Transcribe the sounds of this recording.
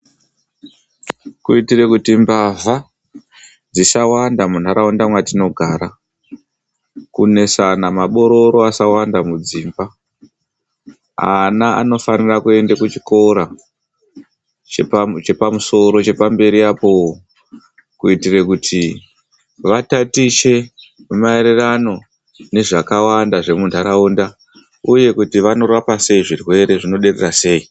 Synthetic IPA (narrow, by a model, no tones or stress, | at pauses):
kuitirekutimbava | d͡zisawandamun̤aɾaondamwatino̞ɡʱaːɾa | kune̞sanamaɓo̞ɾo̞ɾo̞asawandamud͡ziːmba | a̰naa̰no̞fanirakue̞ndekut͡ʃi̥ko̞ɾa | t͡ʃept͡ʃe̞pamuso̞ɾo̞t͡ʃe̞pambe̞ɾiapo̞ | kuitirekutʰi | ʋatatiʃe̞ | umaeɾerano̞ | ne̞ʐakawandaʐe̞mundʱaɾaunda | uje̞kutiʋano̞rapase̞iʐirwe̞ɾe̞ʐino̞ɗe̞rerase̞i